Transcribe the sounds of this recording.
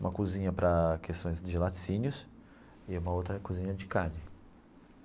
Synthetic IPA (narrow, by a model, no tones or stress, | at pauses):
ũmɐkuzĩɲɐpɾɐkʰest̪õj̃zd͡ʒɪlatsĩɲʊs | ɪũmɐowt̪ɾɐkuzĩɲɐd͡ʒɪkanɪ